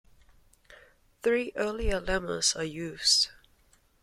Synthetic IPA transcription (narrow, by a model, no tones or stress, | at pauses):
θɹiːʔɜːliəlɛmə̰zəjʉːz̥d̥